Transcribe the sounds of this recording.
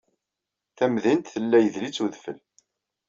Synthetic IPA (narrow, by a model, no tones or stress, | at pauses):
θæmðint̪θəlːæjəðlit͡sːuðfəl